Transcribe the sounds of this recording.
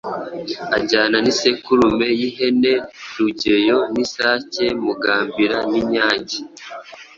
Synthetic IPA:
aɟaːnanisekuɾume̞jiɦe̞ne̞ɾuɟe̞jo̞nisaːce̞muɡaːmbiɾaniɲaːɲɟi

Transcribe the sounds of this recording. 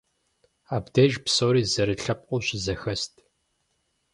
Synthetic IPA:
aːbdɐʒpsoːɾiːzɐɾɨɬɐp̚ʼqʷʼʊɕɪzɐxɐstʰ

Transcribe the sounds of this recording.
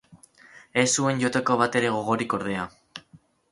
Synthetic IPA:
e̞sue̞nʝo̞t̪e̞ko̞β̞at̪e̞ɾe̞ɣ̞o̞ɣ̞o̞ɾiko̞ɾð̞e̞a

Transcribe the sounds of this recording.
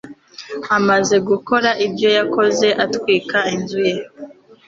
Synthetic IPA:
amaze̞ɡuko̞ɾaʔibjo̞jako̞ze̞ʔatwiːkainzuje̞

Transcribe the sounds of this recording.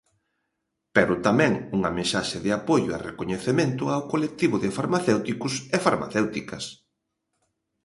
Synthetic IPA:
peɾʊt̪amɛ̃ŋuŋɐmẽsaʃɪðɪapojʊa̰rekoɲeθemẽnt̪ʊawkolek̚t̪iβʊðɪfaɾmaθewt̪ikʊsefaɾma̰θewt̪ikɐs

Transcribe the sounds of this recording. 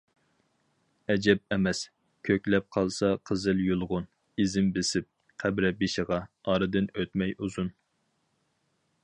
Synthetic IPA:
ɛd͡ʒɛp̚ɛmɛs | kʲʰøkʲlɛp̚qʰɑlˠsɑqʰəzɨljulˠʁʊn | izɪmbɪsɪp̚ | qʰæbɾɛbiʃɪʁɑɑɾɨd̪ɪnøt̪mɛjuzun

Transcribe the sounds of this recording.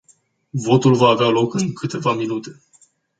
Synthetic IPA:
vo̞t̪ulvaːvealo̞kɨŋkʰɨt̪e̞vaminut̪e̞

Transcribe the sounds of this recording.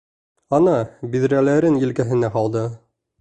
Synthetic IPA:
ɑnɑbiðɾælæɾɘnjɘ̆lkæɦɘ̆næɦɑlˠd̪ɤ

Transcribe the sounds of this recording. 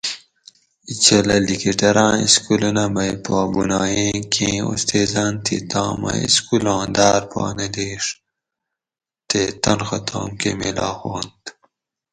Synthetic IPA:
it͡ɕʰɐlɐlikiʈɐɾãːḭskulunɐmɐjipaːbunaːjẽːkʰẽːo̰st̪eːzaːnt̪ʰit̪ãːmɐ̰ḭskulãːd̪aːɾpɑ̰ːneleːʂ | t̪et̪ɐnxɐt̪ʰa̰ːmkemilaːxoːnt̪

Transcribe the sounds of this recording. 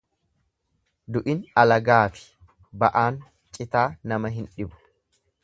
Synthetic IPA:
d̪ʊʔɪnɐlɐɡaːfɪ̥ | bɐʔaːn | t͡ʃʼɪt̪aːnɐmɐɦɪnᶑɪbʊ̥

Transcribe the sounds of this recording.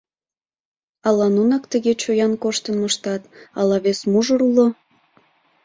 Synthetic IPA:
ɑlɑnunɑkt̪əɣet͡ɕojɑnkoʃt̪ənməʃt̪ɑt̪ɑlɑβesmuʒəɾulo

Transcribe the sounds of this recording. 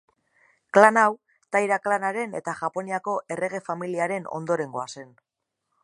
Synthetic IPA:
klanaw | t̪ajɾaklanaɾe̞ne̞̰t̪aʝapo̞niako̞ʔe̞rʔe̞ɣ̞e̞familiaɾe̞no̞̰nd̪o̞ɾe̞ŋɡo̞ase̞n

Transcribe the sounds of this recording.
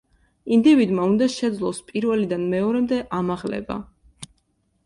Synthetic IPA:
ind̪ivid̪maund̪aʃɛd̪zlˠɔspʼiɾvɛlid̪anmɛɔɾɛmd̪ɛʔamaʁlɛ̰ba̰

